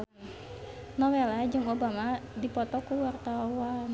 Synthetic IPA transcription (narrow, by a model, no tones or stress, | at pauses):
nɔwelad͡ʒɨŋobamadipɔt̪ɔkuwart̪awan